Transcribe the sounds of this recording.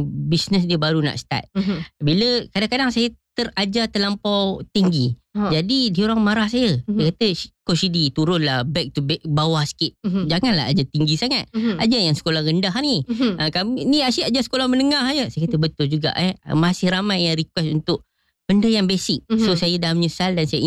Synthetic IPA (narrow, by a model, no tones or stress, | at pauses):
bisnəs̬diəbaɾuna̰ʔst̪a̰t̪̚biləkadaŋkadaŋsajət̪əɾad͡ʒat̪əlampawt̪iŋɡi | d͡ʒadidioɾaŋmaɾahsajəajkat̪əkosidit̪uɾʊnlahbɛk̚t̪ubɛbawahsə̥kɪt̚d͡ʒaŋanla̰ɦa̰d͡ʒat̪iŋɡisaŋat̪̚ad͡ʒajaŋsə̥kolahɣəndaɦniəkaminiasiad͡ʒasə̥kolahmənəŋasajəsajkat̪əbət̪ʊld͡ʒuɡa̰ʔɛ̰masɪhramajːaŋɾikwɛsunt̪ʊʔ | b̥əndəjaŋbesɪk̚sosajədalmɲəsaldansaja